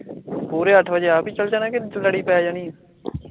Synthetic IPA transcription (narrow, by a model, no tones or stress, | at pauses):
puːɾeːəʈʰʋəd͡ʒeːaːpiːt͡ʃəlt͡ʃaːnãːkeləɽiːpɛːaːd͡ʒaːnĩː